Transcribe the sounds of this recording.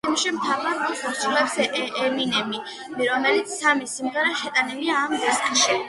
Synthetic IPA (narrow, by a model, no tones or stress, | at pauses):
ɛmʃimt̪ʰavaɾɔχuɾsʰʼulɛpsɛminɛmi | viɾɔmɛlit̪sʰsamisimʁɛɾɛhɛt̪ʼanɛliaːmɡuskʰʼʃi